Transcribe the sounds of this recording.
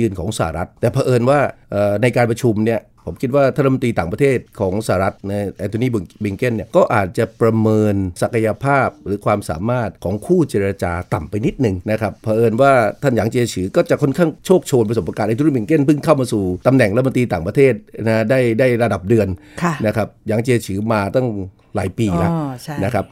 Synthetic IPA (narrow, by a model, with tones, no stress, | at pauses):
ɯː˧nkʰɔː˩˦ŋsa̰ː˧˨a̰˨˩ɾa˦˥t̪ːɛː˨˩pʰaː˧ʔɤː˧nwaː˥˩ʔəː˨˩na˧jkaː˧npɾa˧t͡ɕʰu˧mni˥˩ə | pʰo˩˦mkʰi˦˥t̪̚waː˥˩t̪ʰa˥˩˨m˧t̪iː˧t̪aː˨˩pɾa˧t̪ʰeː˥˩t̪̚kʰɔː˩˦ŋsa˧haː˨ɾa˦˥t̪̚na˧jʔɛː˧t̪ʰo˧niː˥˩bbi˧ŋke˥˩nːi˥˩ɐkɔː˥˩ʔaː˨˩t̪̚t͡ɕa˨˩pɾa˧mɤː˧nsa˨˩kʰa˧ja˧pʰaː˥˩p̚ɾɯː˩˦kʰwaː˧msa̰ː˩˦maː˥˩t̪̚kʰɔː˩˦ŋkʰuː˥˩t͡ɕeː˧ɾa˧t͡ɕa̰ː˧t̪a˨˩mpa˧jni˦˥t̪̚nɯ˨˩ŋna˦˥kʰa˦˥pʰːaː˧ʔɤː˧nwaː˥˩t̪ʰa˥˩njaː˩˦ŋt͡ɕiː˧t͡ɕʰɯː˩˦kɔː˥˩t͡ɕa˨˩ʔkʰnkʰaː˥˩ŋt͡ɕʰoː˥˩k̚t͡ɕʰoː˧np̬a˧so˩pʔa˧ka˨˩t̪ʔt̪ʰːbi˧ŋke˥˩˨npʰɯ˥˩ŋkʰa˥˩wmaː˧suː˨˩t̪a˧mnɛ˨˩ŋɾa˦t̪̚mo˧nt̪ɾiː˧t̪aː˨˩ŋpɾa˧t̪ʰeː˥˩t̪̚na˦˥daː˥˩jdaː˥˩jɾa˧da˨˩p̚dɯ˧ən | kʰna˦˥kʰa˦˥p̚jaː˩˦ŋt͡ɕi˧t͡ɕʰɯː˩˦maː˧t̪ɔ˥˩ŋ | la̰ː˩˦jpiː˧la˦˧na˦˥kʰa˦˥p̚